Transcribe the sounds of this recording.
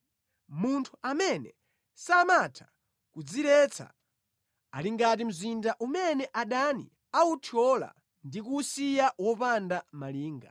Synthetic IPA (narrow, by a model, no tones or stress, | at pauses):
muntʰuamɛnɛ̰ | samatʰḁ | kud͡zilɛt͡sʰa̰ | aliŋɡatim̩zindaʔumɛnɛʔaɗanḭ | autʰɔla̰ | ndikusijawɔpandamaliːŋɡa̰